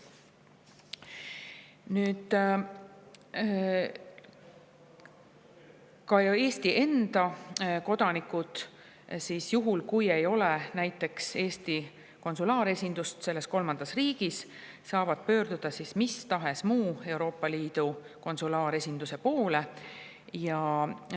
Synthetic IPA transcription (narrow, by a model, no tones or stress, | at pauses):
nyːd̪̥ | kɑe̞ːst̪iʔe̞nd̪̥ɑko̞d̪̥ɑnikud̪̥ | sisjuɦulkuje̞jo̞lenæjt̪ːˑe̞kse̞ːst̪i | ko̞nsulɑːɾe̞sʲind̪ust̪se̞lːe̞sko̞lmɑnd̪̥ɑsriːɡ̥isː | ɑːvɑd̪̥̚pø̞ːɾd̪̥ud̪̥ɑsismist̪ɑɦe̞smuːe̞wɾo̞ːpːˑɑliːd̪̥u | ko̞nsulɑːɾe̞sʲind̪̥use̞po̞ːle̞ | jɑ